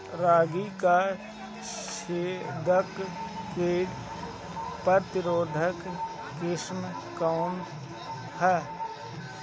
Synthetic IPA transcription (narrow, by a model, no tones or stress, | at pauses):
ɾaːɡika | ʃeːd̪əkkeːɾ | pəɾt̪ɪɾoːd̪ʱək | kɾɪʃm | kaʊnd̪ | hɛː